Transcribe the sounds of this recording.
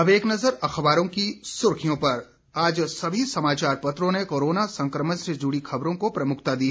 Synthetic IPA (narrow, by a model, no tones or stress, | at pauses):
ɐʋeːknɐzəɾɐxʋaːɾõkisʊɾkʰijõpɐɾ | aːd͡ʒsɐbʱisɐmaːt͡ʃaːɾpɐt̪ɾõnekoːɾoːnasɐ̃ŋkɾəməsed͡ʒuːɽixʰɐbɾõkopɾɐmʊkʰt̪ad̪iːɦ